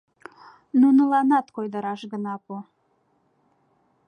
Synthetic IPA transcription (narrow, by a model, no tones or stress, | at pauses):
nunəlɑnɑt̪kojd̪əɾɑʃɣə̆nɑpo